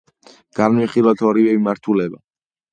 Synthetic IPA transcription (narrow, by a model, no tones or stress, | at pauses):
ɡ̥aɾniχilˠɔt̪ʰɔɾivɛmimaɾt̪ʰulɛba